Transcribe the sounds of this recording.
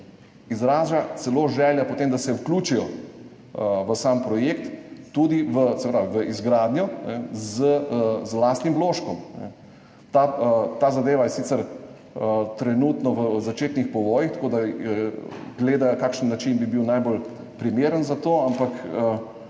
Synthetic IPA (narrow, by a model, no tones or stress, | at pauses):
izɾaːʒat̪sɛloːʒɛːljapot̪eːmd̪asɛwkluːt͡ʃijɔ | ʋəsampɾɔjekt̪ːud̪iʋəsɛpɾaːʋiʋəizɡɾaːd̪njɔnɛzəzlast̪nimbloːʃkɔmnɛ̰ | t̪at̪aːzad̪eːʋajɛsit̪səɾ | ət̪ɾɛnuːt̪nɔʋəzat͡ʃeːt̪nixpɔʋɔːjixt̪akod̪a | ɡleːd̪ajkaːkʃənːat͡ʃinbibiwnajbol | pɾimeːɾənzat̪oːampakə